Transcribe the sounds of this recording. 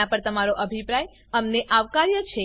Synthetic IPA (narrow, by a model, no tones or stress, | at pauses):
apəɾt̪əmaɾoʔəbʱipɾaj | əmneʔaʋkaɾjət͡ʃʰe